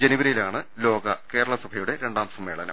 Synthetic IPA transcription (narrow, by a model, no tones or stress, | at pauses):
d͡ʑeniʋɐɾɐjilaːɳɨlo̞ːɡɐke̞ːɾɐɭɐsɐbʱɐjuɽe̞ɾe̞ɳɖaːmsɐmːeːɭɐnɐ̰